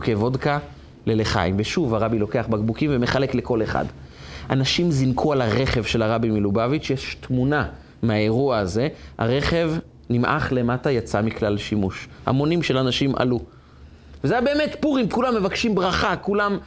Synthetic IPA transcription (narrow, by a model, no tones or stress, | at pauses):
kevo̞dka | leleχa̰jimveʃuvaʁabilo̞ke̞aχbaɡbukimveme̞χale̞kleko̞le̞χa̰dʔanaʃimzinkʰualaʁe̞χevʃe̞laʁabimilubavitʃejeʃtmuna | meae̞ʁuaaze̞a̰ʁe̞χe̞v | nimʔa̰χle̞matajat͡samiklalʃimuʃha̰mo̞nimʃelanaʃimʔa̰lu | vezejabe̞ːmetpuʁimkulamːe̞vakʃimbʁaχakulam